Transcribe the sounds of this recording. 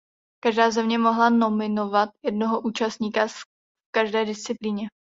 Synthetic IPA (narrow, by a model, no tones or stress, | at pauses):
kaʒdaːzɛmɲɛmo̞ɦlano̞mɪno̞vat̪̚jɛdno̞ɦoʔuːt͡ʃast̪̚ɲiːka | fkaʒdɛːdɪst͡sɪpliːɲɛ